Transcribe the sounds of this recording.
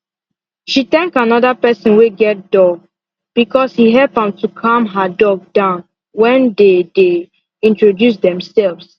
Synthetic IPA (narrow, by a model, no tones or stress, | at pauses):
ʃit̪ɛ̃ŋkanɔdapɛsɔ̃nweɡɛt̚d̥ɔɡ̚ | b̥ikɔshiɦɛlpãmtukʰãmɦadɔɡ̚dãʊ̃n | wɛ̃ndede | ĩntɹodjus̬d̪ɛ̃msɛlvs